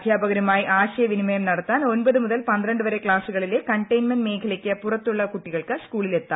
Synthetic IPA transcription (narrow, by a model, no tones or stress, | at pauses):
d̪ʱjaːbɐɣɐɾɐmaːjiʔaːɕɐjɐʋinimɐjɐmnɐɽɐt̪ːaːno̞nbɐðɨmuðɐlpɐnd̪ɾɐɳɖɨʋɐɾe̞kɭaːsuɣɐɭilekɐɳʈɐjnmɐnmeːkʰɐlɐkʲːɨpurɐt̪ːuɭːɐkuʈːiɣɐɭkɨskuːɭilet̪ːa